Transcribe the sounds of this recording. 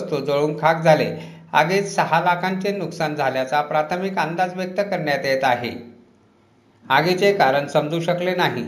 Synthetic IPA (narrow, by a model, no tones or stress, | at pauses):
st̪ud͡zoɭuːŋkʰakd͡zʱale | a̰ɡet͡ssəɦalakʰaɲt͡senuksand͡zʱaljat͡sapɾat̪ʰəmikand̪ad͡zʋjək̚t̪əkəɾɳjat̪jet̪aɦḛ | aɡet͡sekaɾəɳsəmd͡zʱuːɕəklenaɦḭ